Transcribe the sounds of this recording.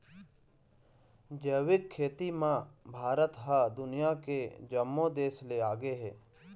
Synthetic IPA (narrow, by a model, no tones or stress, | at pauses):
d͡ʒəːwɪd̪̚kʰeːt̪imãbʱaːɾət̪ɦad̪ʊnɪjaked͡ʒəmːõd̪eːsleaːɡeɦɛ̰ː